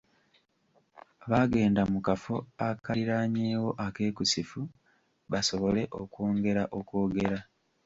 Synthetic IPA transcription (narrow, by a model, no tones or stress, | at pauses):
βaːɡe̞ːndamukafo̞akaɾiɾaːɲeːwo̞ʔake̞ːkusifu | βaso̞βo̞le̞ʔo̞koːŋɡe̞ɾaʔo̞ko̞ːɡe̞ɾa